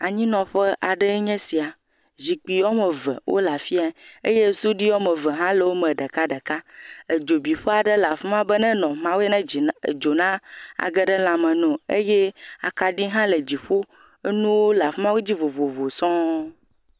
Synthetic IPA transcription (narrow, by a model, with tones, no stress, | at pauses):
a˨ɲĩ˦nɔ̃˨ɸə˦ʔa˨ɖə˦ɲɛ̃˦si˨a˨ | zi˨k͡pi˨wɔ˦mə̃˨və̰˨wʔo̰˦la˨fi˦a˦ḛ˦je˦su˦ɖi˦wo˦mə̃˨və˨ɦã˦lə˨wo˦mə̃˨ɖə˨ka˦ɖə˨ka˦e˨d͡ʒo˨bi˨ɸə˦a˨ɖə˦la˨fə˦mã˦bə˦nɛ̃˦nɔ̃˨mã˦wo˦e˦nɛ̃˦˨d͡ʒo˨nã˦a̰˨ɡə˦ɖə˦la˨mə̃˨nɔ̃˨e˦je˦a̰˨ka˨ɖi˦ɦã˦lə˨d͡ʑi˨ɸo˦ | e˦nũ˦wo˦la˨fmã˦wu˦d͡ʑi˦vo˨vo˨vo˨sɔ̃˦